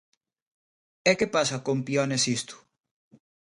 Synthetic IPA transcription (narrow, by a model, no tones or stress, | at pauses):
ɛkepasɐkompjɔnesist̪u̥